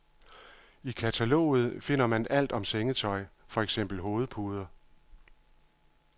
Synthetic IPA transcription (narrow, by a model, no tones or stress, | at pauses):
ikʰæt͡sʰælo̰ːð̞̩ˠfe̝n̰ɐmænd̥æl̰d̥ɒ̽mseŋət͡sʰɒ̽ɪfɒ̽eɡ̥sem̰b̥l̩ɦo̝ːð̞̩ˠpʰuːðˠɐ